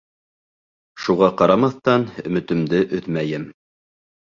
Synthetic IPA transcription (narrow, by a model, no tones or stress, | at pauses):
ʃuʁɑqɑɾɑmɑθt̪ɑnɵ̆mɘ̆t̪ɵ̆md̪ɘʔɵðmæjɘm